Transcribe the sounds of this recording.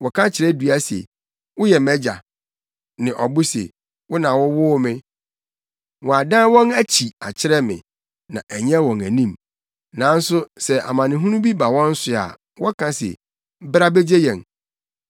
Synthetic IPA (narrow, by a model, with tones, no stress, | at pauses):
wɔ˨kʰã˦t͡ɕʰɪ˨ɾɛ˦dɥa˦sɛ̰˨ | wʊ˦jɛ˨mɛ˦d͡ʑa̰˨ | nɪ̃˨ʔɔ˨bʊ˦sḛ˨ | wʊ˦nã˨wɔ˦wʊː˦mɪ̃˦ | wɔ̃˨a˨dã˦wɔ̃˦næ˦t͡ɕʰi˨a˨t͡ɕʰɪ˦ɾɛ˦mɪ̰̃˨ | nã̰˨ʔæ˨ɲɛ̃˦wɔ̃˨næ˨nĩ˦m | nã˨˦n̩˦sʊ˦sɛ˨ʔa̰˨mã˨nɪ̃˨ɦũ˦nũ˦bi˦ba˨wɔ̃˦n̩˦sʊ˨a̰˨ | wɔ˦kʰã˦sɛ̰˨˦ | bɾa˦be˦d͡ʑe˦jɛ̃˨n